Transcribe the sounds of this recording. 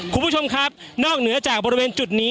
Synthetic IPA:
kʰmbʰu˥˩t͡ɕʰo˧mkʰɾa˦˥p̚nɔː˥˩k̚nɯ˩˦ɐt͡ɕaː˨˩k̚bɔː˧ɾi˧weː˧nt͡ɕu˨˩t̪̚niː˦˥

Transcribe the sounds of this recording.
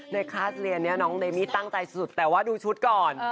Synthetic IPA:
na˧jkʰaː˥˩sli˧ənːi˦˥ɐnɔː˦˥ŋleː˧miː˥˩t̪a˥˩ŋt͡ɕa˧jssu˨˩t̪ːɛː˨˩waː˥˩duː˧t͡ɕʰu˦˥t̪̚kɔː˨˩n

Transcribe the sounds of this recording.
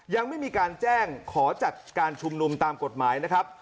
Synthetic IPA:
ja˧ŋma˥˩jmiː˧kaː˧nt͡ɕɛː˥˩ŋkʰɔː˩˦t͡ɕa˨˩t̪̚kaː˧nt͡ɕʰu˧mnu˧mt̪aː˧mko˨˩t̪̚maː˩˦jna˦˥kʰɾa˦˥p̚

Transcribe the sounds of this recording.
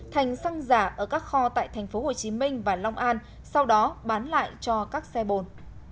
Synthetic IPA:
t̪ʰa˨˩jŋ̟sa˧ŋzaː˧˩ʔəː˧˩kaː˦˥k̚xɔ˧t̪a̰ː˧˨jt̪ʰɛ˨˩jŋ̟fo˨˦ho˨˩t͡ɕi˨˦mï˧ŋ̟vaː˨˩la˧wŋ͡mʔaː˧n | sa˧wɗɔ˨˦ɓaː˨˦nla̰ː˧˨jt͡ɕɔ˧kaː˦˥k̚sɛ˧ɓo˨˩n

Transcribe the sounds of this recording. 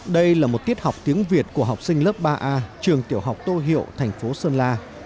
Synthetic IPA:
ɗə˧jlaː˨˩mo˨˩t̚t̪i˦˥ət̚ha˨˩wk͡p̚t̪i˨˦əŋvi˨˩ət̚ku˧˩əɦa˨˩wk͡p̚sï˧ŋ̟ləː˦˥p̚ɓaː˧ʔaː˧t͡ɕɨ˨˩əŋt̪ḭ˧˩əwɦa˨˩wk͡p̚t̪o˧ɦḭ˧˨əwt̪ʰɛ˨˩jŋ̟fo˨˦səː˧nlaː˧

